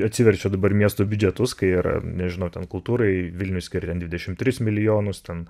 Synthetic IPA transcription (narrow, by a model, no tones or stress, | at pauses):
ɐt̪ʲsʲɪʋʲɛɾʲt͡ʃʲɛd̪ɐbɐɾmʲiɛst̪oːbʲʊd͡ʒʲɛt̪ʊskɐɪiːɾɐ̰nʲɛʒʲɪnɐʊt̪ʲɛnkʊlˠt̪uːɾɐɪʋʲɪlʲnʲʊsʲkʲɪɾʲt̪ʲɛnd̪ʲʋʲɪd̪ʲɛʃʲɪmt̪ʲɾʲɪsmʲɪlʲɪjoːnʊst̪ʲɛn